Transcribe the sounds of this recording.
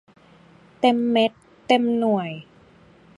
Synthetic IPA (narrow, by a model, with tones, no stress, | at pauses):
t̪e˧mːe˦˥t̪ːe˧mnu˨˩əj